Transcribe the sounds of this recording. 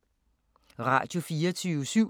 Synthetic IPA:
ʁɑ̰̈djo̝fiːɐt͡sʰyːəsyʊ̰

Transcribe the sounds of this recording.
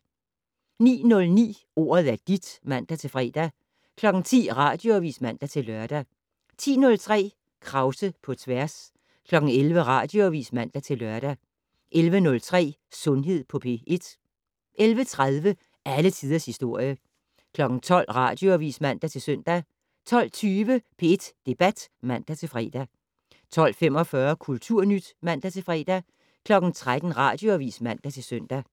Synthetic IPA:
nḭːnɔ̽lnḭː | o̝̰ːɐð̩ˠæɐd̥id̥mæn̰d̥æt͡sʰe̝lfʁɛ̰ːd̥æ | kʰlɒ̽ɡ̥n̩t͡sʰḭːʁɑ̈ːd̥jo̝ɐʋḭːsmæn̰d̥æt͡sʰe̝lːɶɐd̥æ | t͡sʰḭːnɔ̽lt͡sʰʁɛ̰ː | kʰʁɑ̈ʊsəpʰɒ̽t͡sʰʋæɐs | kʰlɒ̽ɡ̥n̩elʋəʁɑ̈ːd̥jo̝ʋḭːsmæn̰d̥æt͡sʰe̝lɶɐɾ̥æ | ʔelʋənɔ̽lt͡sʰʁɛ̰ː | sɔ̽nɦe̝ð̰ˠpʰɒ̽pʰe̝̰ːe̝d̥ | ʔelʋət͡sʰʁaðˠʋə | ʔælət͡sʰiːð̞ˠɐshisd̥o̝ɐ̰jə | kʰlɒ̽ɡ̥n̩t͡sʰɒ̽l̰ʁɑ̈d̥joɐʋḭːsmæn̰d̥æt͡sʰe̝lsøn̰d̥æ | t͡sʰɒ̽l̰t͡sʰyːʋəpʰe̝ed̥d̥e̝b̥æd̥mæn̰d̥æt͡sʰe̝lfʁɛ̰ːd̥æ | t͡sʰɒ̽l̰fem̰ɒ̽fɶːɐkʰult͡sʰuɐ̰nyd̥mæn̰d̥æt͡sʰe̝lfʁɛ̰ːd̥æ | kʰlɒ̽ɡ̥n̩t͡sʰʁad̥n̩ʁɑ̈d̥joɐʋḭːsmæn̰d̥æt͡sʰe̝lsøn̰d̥æ

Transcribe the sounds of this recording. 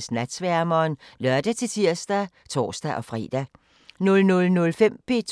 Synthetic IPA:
snæd̥sʋæɐmɐːnlœɐ̰d̥æt͡sʰe̝lt͡sʰiɐ̰sd̥æ | t͡sʰɒ̰ːsd̥æʔɒ̽fʁḭd̥æ | nɔlnɔlnɔlfem̰b̥e̝̰ːt͡sʰ

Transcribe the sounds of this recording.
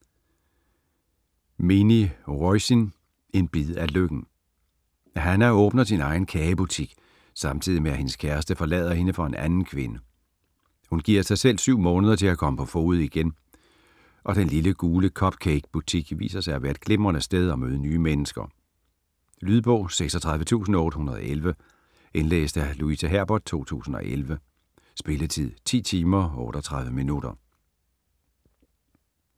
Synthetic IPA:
miniʁɔɪsin | e̝nb̥iðˠæløɡ̥n̩ | hænæɔ̽ːb̥nɐsinɑ̈ɪn̩kʰɛːɪəb̥ut͡sʰiɡ̥ | sɑ̈mt͡sʰið̰ˠimeæhe̝nəskʰæɐsd̥əfɒ̽lɛ̰ːð̞ˠɐhe̝nəfɒ̽e̝nʔænn̩kʰʋe̝nə | hunɡ̥iːɐ̰sɑ̈ɪsel̰syʊ̰mɔ̽ːnəð̞ˠɐt͡sʰe̝lækʰɒ̽məpʰɒ̽fo̝̰ːð̩ˠiɡ̥en | ʔɒ̽ɾ̥enliləɡ̥uːləkʰɒ̽b̥kʰeɡ̥b̥ut͡sʰiɡ̥ʋḭːsɐsɑ̈ɪæʋæːɐd̥̚ɡ̥le̝mʁɐnəsd̥eð̞ˠɒ̽møːð̞ˠənyːmenəsɡ̥ɐ̰ | lyðˠb̥ɔ̰̽ːseɡ̥sɒt͡sʰʁɑðˠʋət͡sʰṵːsn̩ɒɔ̽ːɾəhunɐð̞ˠɒ̽ʔelʋə | enlḛːsd̥æluisæɦæɐ̰b̥ɒd̥̚t͡sʰo̝̰ːt͡sʰṵːsn̩ɒ̽ʔelʋə | sb̥e̝lət͡sʰið̰ˠt͡sʰḭːt͡sʰiːmɐɔːɾ̥ɒt͡sʰʁɑ̈ð̞ˠʋəminud̥ɐ

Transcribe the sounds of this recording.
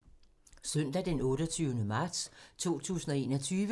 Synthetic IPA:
sœn̰d̥æd̥enɔ̽ːɾ̥ɒt͡sʰyːʊnəmɑ̈d̥st͡sʰo̝̰ːt͡sʰṵːsn̩ɒ̽e̝ːnɒ̽t͡sʰyːʋə

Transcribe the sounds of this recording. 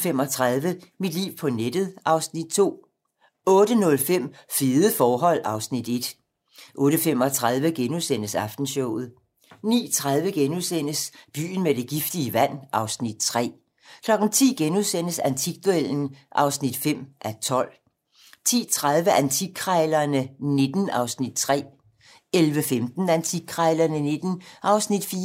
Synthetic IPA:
fem̰ɒ̽t͡sʰʁað̞ˠʋəmid̥lḭːʊpʰɒ̽ned̥əð̞̩ˠʔɑ̈ʊsnid̥̚t͡sʰo̝̰ː | ɔ̽ːɾ̥ənɔ̽lfem̰fiːðˠəfɒːɦɒ̽l̰ɑ̈ʊsnid̥e̝d̥ | ʔɔ̽ːɾ̥əfem̰ɒ̽t͡sʰʁað̞ˠʋəɡ̥enuðˠsen̰əsɑ̈fd̥n̩ɕɔʊ̰ð̞̩ˠ | nḭːt͡sʰʁað̞ˠʋəɡ̥enuðˠsen̰əsb̥y̰ːn̩med̥e̝ɡ̥ifd̥iəʋæn̰ʔɑ̈ʊsnid̥̚t͡sʰʁɛ̰ː | kʰlɒ̽ɡ̥n̩t͡sʰḭːɡ̥enuðˠsen̰əsænt͡sʰiɡ̥̚d̥uel̰n̩ʔɑ̈ʊsnid̥fem̰ʔæt͡sʰɒ̽l̰ | t͡sʰḭːt͡sʰʁað̞ˠʋəʔænt͡sʰikʰʁɑɪlɐnəne̝d̥n̩ɑ̈ʊsnid̥t͡sʰʁɛ̰ː | elʋəfemd̥n̩ænt͡sʰi̥kʰʁɑɪlɐnəne̝d̥n̩ʔɑ̈ʊsnid̥fiː

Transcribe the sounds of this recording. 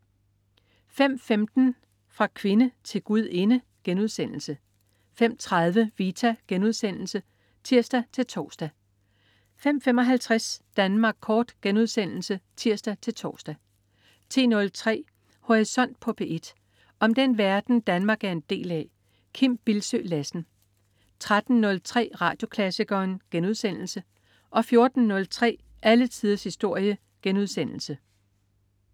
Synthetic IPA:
fem̰femd̥n̩ | fʁɑ̈kʰʋe̝nət͡sʰe̝lɡ̥uð̞̰ˠe̝nə | ɡ̥enuðˠsen̰l̩sə | fem̰t͡sʰʁɑðˠʋəʋiːt͡sʰæɡ̥enuð̞ˠsen̰l̩sə | t͡sʰiɐ̰sd̥æt͡sʰe̝lt͡sʰɒ̰ːsd̥æ | fem̰fem̰ɒ̽ɦælt͡sʰʁasd̥ænmɑ̈ːɡ̥̚kʰɒːd̥ɡ̥enuð̞ˠsen̰l̩sət͡sʰiɐ̰sd̥æt͡sʰe̝lt͡sʰɒ̰ːsd̥æ | t͡sʰe̝̰ːnɔ̽lt͡sʰʁɛ̰ː | ho̝ʁisɒ̽n̰d̥̚pʰɒ̽b̥ʰeʔe̝d̥ | ɒ̽md̥enʋæɐd̥n̩d̥ænmɑ̈ːɡ̥æɐe̝nd̥e̝̰ːlɛ | kʰim̰b̥ilsø̰ːlæsn̩ | t͡sʰʁad̥n̩ːɔ̽lt͡sʰʁɛ̰ːʁɑ̰̈ːd̥jo̝kʰlæsiɡ̥ɐːnɡ̥enuðˠsen̰l̩sə | ʔɒ̽fjo̝ɐd̥n̩ːɔ̽lt͡sʰʁɛ̰ː | ʔælət͡sʰiːðˠɐshisd̥o̝ɐ̰jə | ɡ̥enuð̞ˠsen̰l̩sə

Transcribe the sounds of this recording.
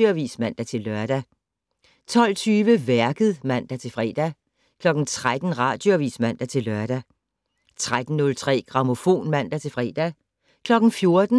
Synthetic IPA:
oæʋḭːsmæn̰d̥æt͡sʰe̝lːɶɐd̥æ | t͡sʰɒ̽l̰t͡sʰyːʋəʋæɐɡ̥əð̩ˠmæn̰d̥æt͡sʰe̝fʁɛ̰ːd̥æ | kʰlɒ̽ɡ̥n̩t͡sʰʁad̥n̩ʁɑ̰̈d̥joʋḭsmæn̰d̥æt͡sʰe̝lːœɐd̥æ | t͡sʰʁad̥n̩nːɔ̽lt͡sʰʁɛ̰ːɡ̥ʁɑ̈mo̝fo̝̰ːnmæn̰d̥æt͡sʰe̝fʁɛ̰ːd̥æ | kʰlɒ̽ɡ̥n̩fjo̝ɐd̥n̩

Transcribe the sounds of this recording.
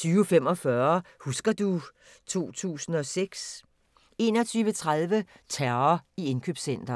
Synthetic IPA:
t͡sʰyːʊfem̰ɒ̽fɶɐhusɡ̥ɐd̥u | t͡sʰo̝̰ːt͡sʰṵːsn̩ɒ̽seɡ̥s | e̝nɒ̽t͡sʰyːʊʋət͡sʰʁaðˠʋət͡sʰæɐɐie̝nkʰøːb̥sen̰d̥ɐ

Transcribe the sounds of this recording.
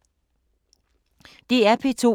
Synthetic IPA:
d̥eæpʰe̝t͡sʰo̝̰

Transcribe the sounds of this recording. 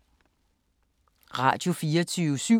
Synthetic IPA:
ʁɑ̈d̥o̝fiːɐt͡sʰyːʊsy

